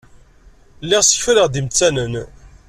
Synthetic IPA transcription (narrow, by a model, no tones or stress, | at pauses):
lːɪʁsə̥çfəɾəʁd̪imt͡sːænən